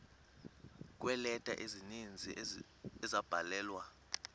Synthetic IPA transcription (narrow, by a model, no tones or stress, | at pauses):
k̬ʼwɛlɛtʼa̰ʔizinind͡zʱi | ɛzab̥ʱalɛːlwa